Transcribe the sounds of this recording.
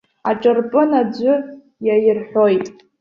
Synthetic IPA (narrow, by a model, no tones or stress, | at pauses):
aʈ͡ʂʼɨrpʼɨnad͡ʒʷʊ | jajɪrħʷᶣojtʼ